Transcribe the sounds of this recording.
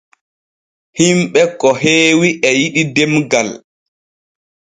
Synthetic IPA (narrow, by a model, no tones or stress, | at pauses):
himɓɛkːɔɦeːwiʔɛjiɗidɛmɡal